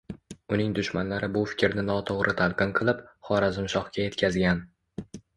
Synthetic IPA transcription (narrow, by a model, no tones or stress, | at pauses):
ʊnɪŋd̪ʊʃmanlaɾɪbʊfɪ̥kʲɾnɪnɒt̪ʰoʁɾʔɪt̪ʰalˠqɨnqʰɨlˠɪpχɒɾazɪmʃɒχkʲʰaje̞t̪kʲʰazɡʲan